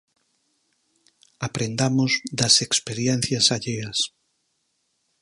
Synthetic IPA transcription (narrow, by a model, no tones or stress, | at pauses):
apɾend̪amʊzðɐsekspeɾjɛn̟θjɐsaʎeɐs